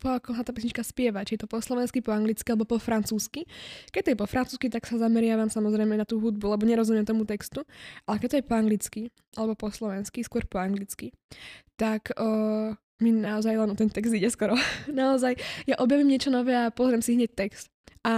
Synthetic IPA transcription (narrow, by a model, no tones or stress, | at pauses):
pɔakɔsat̪aːpis̬ɲit͡ʃkaspɪɛʋat͡ʃiɛt̪ɔpɔslɔʋɛnskipɔaŋɡlit͡skialɛbɔpɔfɾant͡suːskikɛct̪ɔjɛpɔfɾʔant͡suːskit̪aksazamɛɾɪaʋamsamɔzɾɛjmɛnat̪uːɦud̪̚bulɛbɔɲɛɾɔzumɪɛmt̪ɔmut̪ɛkst̪uʔalɛkɛt̪ɔjɛpɔaŋɡlit͡ski | ʔalɛbɔpɔslɔʋɛnskiskʊɔɾpɔaŋɡlit͡ski | t̪akː | minaɔzajlɛnɔt̪ɛnt̪ɛɡzd̪iɟɛskɔɾɔnaɔzajjaʔɔbjaʋimɲɪɛt͡ʃɔnɔʋɛːapɔzɾiɛmsiɦɲɛc̚t̪ɛkst̪ | a